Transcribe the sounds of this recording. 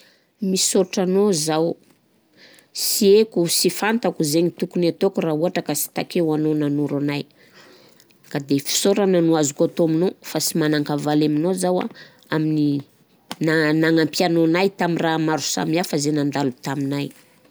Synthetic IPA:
misoɾʈ͡ʂanozaw | siekusifant̪akuzeɲit̪ukunat̪okurauɦaʈ͡ʂəkasi̥t̪akewanonanuɾanaj | kad̪efi̥soɾananuazukat̪oaminofasimanaŋkavalaminozawa̰ | amini | nanaŋampianonajt̪amiramaɾu̥sa̰miafazenand̪alut̪aminaj

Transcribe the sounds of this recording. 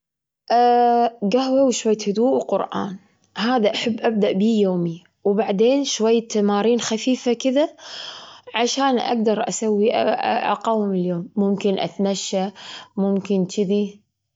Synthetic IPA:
ʔ | ɡahwawʃwajːat̪hʊd̪uːʔwqʊɾʔa̰ːn | haːðaʔaħabːʔab̚d̪aʔbiːjoːmi | wbaʕd̪eːnʃwajːat̪amaːɾiːnxafiːfakɪða | ʕaʃaːnʔa̰ɡ̚d̪ɑɾˤʔa̰sawːiʔʔa̰qɑːwɪmɪljoːmːʊmkɪnʔa̰t̪maʃːamʊmkɪnt͡ʃɪði

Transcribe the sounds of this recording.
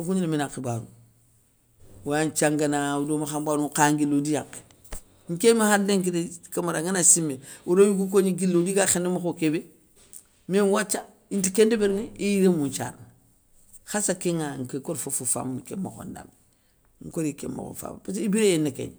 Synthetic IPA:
okuɲinaminakebaːnu | want͡ʃaŋɡanaudomaxambaːnukaŋɡilodijake̥ | ŋ̩kemahadeŋk̬idekamaɾaŋanasimːeuɾojikuk̬oɲiɡilːodiɡaxendemaxokebe | menwat͡ʃːa | intikendebeɾŋeijiɾemunt͡ʃa̰ɾn | xasakeŋaŋkekoɾfofofa̰mnkḛmːa̰xo̰nda̰m | ŋ̩koɾikḛmːa̰xo̰fa̰mpatibiɾejenːekḛɲ

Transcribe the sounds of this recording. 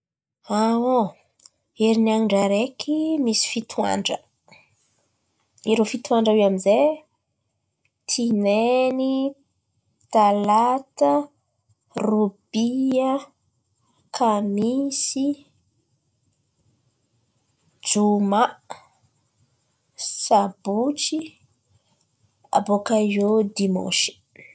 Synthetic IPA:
ao | eɾinaŋɳɖ͡ʐaɾekʰimisi̥fit̪ʰua̰ɳɖ͡ʐə | iɾofit̪uaɳɖ͡ʐaweamize | t̪ʰineni | t̪alat̪ə | rub̥iə | kʰamisi | d͡ʒuma | sabut͡ʃi | a̰bokajod̪imɔ̰̃ʃi̥

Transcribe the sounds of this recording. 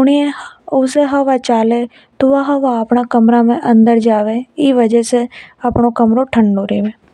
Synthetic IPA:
ʊɽ̃iẽʊseɦɐʋat͡ʃaːle | t̪ʊʋaɦɐʋaɐpɳakɐmɾamẽʔɐ̃nd̪əɾd͡ʒaːʋeiʋəd͡ʒəseɐpnokəmɾoʈʰə̃ɳɖoːɾeːʋẽː

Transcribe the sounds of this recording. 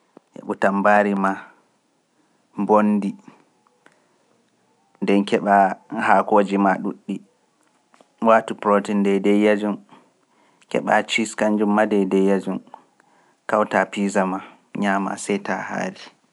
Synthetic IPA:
ʔɛ̰ɓutambaɾima | mbondi | ndɛnkɛɓahakoːd͡ʒimaɗṵɗːi | watupɾotindɛdɛjad͡ʒun | kɛ̰ɓa̰t͡ʃiskand͡ʒumːadɛdɛjad͡ʒun | kawtapizama | ɲama̰sɛjtaha̰ɾi

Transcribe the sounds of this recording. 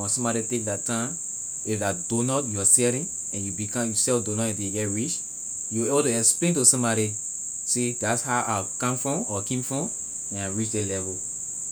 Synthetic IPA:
ɔ̃sɔ̃mbaɾitek̚datãm | ifdadonɔtjuasɛɾĩn | ɛ̃njubikãmjusɛfdonɔjudeɡɛtɹit͡ʃ | juwebɔtuɛksplẽntusɔ̃mbaɾi | sedatshaʔakãmfɹɔ̃mɔkẽmfɹɔ̃m | ɛ̃naɹit͡ʃdelɛvɔ

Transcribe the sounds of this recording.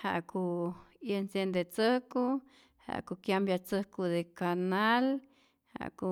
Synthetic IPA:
ha̰ʔkujənsjend̪et͡səhku | ha̰ʔkukjambjat͡səhkud̪ekanal | ha̰ku

